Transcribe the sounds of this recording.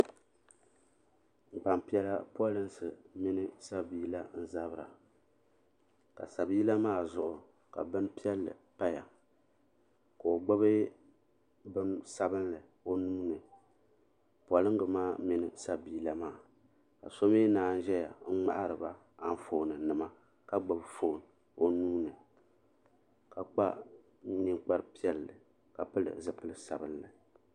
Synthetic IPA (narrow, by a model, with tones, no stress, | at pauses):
ŋ͡m̩˨k͡pa˨mpi˦ɛ˦la˦pɔ˦lɨ˦nsɨ˨mɪ˦nɨ˦sa˦biː˦˨la˦n̩˦za˦bɨ˦ɾa̰˨ | ka̰˨sa˨biː˦la˦maː˦zʊ˨ʔʊ˨ | ka̰˨bɨ˦n˦pi˦ɛ˦lːɨ̰˨pa˦ja˨ | ko˨o˨ɡ͡bo˦bɨ˦ | bɨ˦msa˦bɨ˦nlɨ˨ | o˦nuː˦nɨ˨ | pɔ˨lɨ˦ŋ˦ɡɨ˨maː˦mi˨nɨ˨sa˦biː˨˦˨la˨maː˦˨ | ka̰˨so˦meː˦naː˨˦n̩˦ʒɛ˦ja̰˨ŋ̩˦ŋ͡ma̰˦ʔa˦ɾɨ˨ba˦ | a˦n˦fo˨nɨ˨nɨ˨ma˦ | ka˦ɡ͡ba˨bfo˨n | o˦nuː˦nɨ˨ | ka˨k͡pa̰˦ | nɨ˦ŋk͡pa˦ɾɨ˦pi˦ɛ˦lːɨ̰˨ | ka˨pɨ˦lɨ̰˨zɨ˨pɨ˦lɨ˦sa˨bɨ˦nlɨ˨